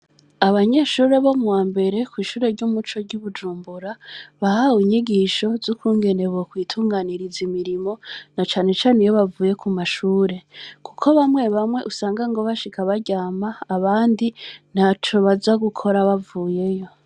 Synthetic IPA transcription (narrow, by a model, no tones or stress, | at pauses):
aβaɲe̞ʃuːɾe̞βo̞muwaːmbe̞ɾe̞kwiːʃuːɾe̞ɾɟuːmut͡ʃo̞ɾɟuβud͡ʒuːmbuɾaβahawiɲiɡiʃo̞zukuːŋɡe̞ne̞βokwiːtʰuːŋɡaniɾizimiɾimo̞nat͡ʃaːne̞t͡ʃaːnejoβavuːje̞kumaʃuːɾe̞kukʰo̞βamwe̞βamwe̞̰ʔusaːŋɡaŋɡo̞βaʃikaβaɟaːmaːβaːndin̥hat͡ʃoβazaɡukʰo̞ɾaβavuːje̞jo̞